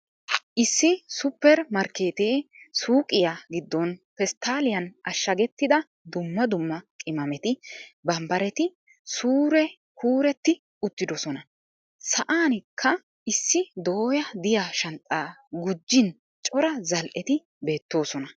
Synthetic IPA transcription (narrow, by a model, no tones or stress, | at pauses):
ɪsːɪsʊpːɛɾmɐɾke̞ːt̪eːsuːkʼɪjaɡɪd̪ːɔnpɛst̪aːlɪjɐnʔɐʃːɐɡɛt̪ːɪd̪ɐ | d̪ʊmːɐd̪ʊmːɐkʼɪmɐmɛt̪ɪbɐmbɐɾɛt̪ɪ | suːɾɛ | kuːɾɛt̪ːɪ | ʊt̪ːɪd̪ɔsɔnɐ | sɐʔaːnkʰːɐ | ɪsːɪd̪oːjɐd̪ɪjaʃɐnt͡sʼaːɡʊd͡ʒːɪn | t͡ʃʼɔɾɐzɐlʔɛt̪ɪ | be̞ːt̪ːo̞ːsɔnɐ